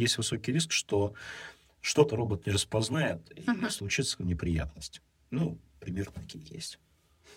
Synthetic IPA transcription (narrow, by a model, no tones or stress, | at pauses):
jesʲtʲvɨso̞kʲɪjɾʲis̬kʂt̪o̞ | ʂt̪o̞t̪əɾo̞bət̪̚nʲərəspɐznaɪt̪ḭslˠʊt͡ɕit̪sənʲɪpɾʲɪja̰t̪nəsʲtʲ | nu | pɾʲɪmʲe̞rnət̪ɐkʲijəjḛsʲtʲ